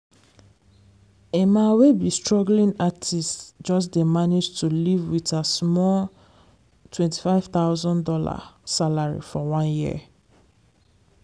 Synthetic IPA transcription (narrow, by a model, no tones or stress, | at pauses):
emawebistɹɔɡlĩnatʰisd͡ʒɔs̬demaned͡ʒtʰulivwitasmɔl | tʰwɛ̃nti̥faɪv̥t̪aʊzɔ̃ndɔla̰salaɹḭfɔwãnjiə̰